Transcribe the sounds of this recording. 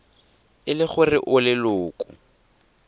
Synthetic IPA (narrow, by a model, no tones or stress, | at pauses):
ɪlɪχʊrɪʔʊlɪlʊːkʼʊ̰